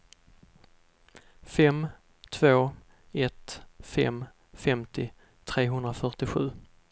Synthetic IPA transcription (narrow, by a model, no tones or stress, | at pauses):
fɛm | t̪ʰvoː | ɛt̪fɛ̰m | fɛmt̪ʰɪ | t̪ʰɾeːɦɵnd̪ɾafœʈɪɧʉ̟ː